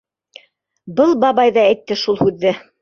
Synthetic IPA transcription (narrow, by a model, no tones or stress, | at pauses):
bɤlˠbɑβɑjðɑæjt̪ːɘʃulˠhʉðːɘ